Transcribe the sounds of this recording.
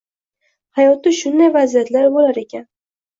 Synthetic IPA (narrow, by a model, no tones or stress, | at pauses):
hajɒt̪ɪʃʊnd̪ajvazijat̪laɾbolaɾe̞kʲʰan